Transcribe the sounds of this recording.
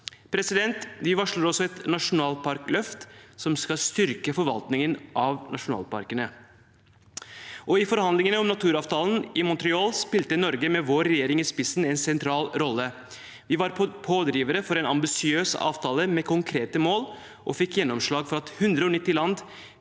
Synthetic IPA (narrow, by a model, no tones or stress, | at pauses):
pʰɾɛsɪd̪ɛnt̪ʋɪʋɑʂləɾɔsɔɛt̪nɑʂʊnɑːlpʰɑɾklœft̪sɔmskɑst̪ʏɾkəfɔɾʋɑ̰lt̪nɪŋənʔɑʋnʔɑ̰ʂʊnɑ̰ːlpɑ̰ɾkənə | ʔɔɪfɔɾhɑnd̪lɪŋənəɔmnɑt̪ʰʉːɾɑːʋt̪ʰɑːln̩ɪmʊnt̪ɾɪɑːlspɪlt̪ənɔɾɡəmɛʋoːɾɛjeːɾɪŋɪspɪsn̩ɛnsɛnt̪ʰɾɑːlɾɔlːə | ʋɪʋɑɾpʰoːd̪ɾiːʋəɾəfɔɾɛnɑ̰mbɪsɪøːsɑ̰ːʋt̪ʰɑːləmɛkʰʊŋkʰɾeːt̪əmoːl | ʔɔfɪkːjɛnːɔmʂɭɑːɡfɔɾɑt̪hʉnd̪ɾəɔnɪt̪ːɪlɑnd̪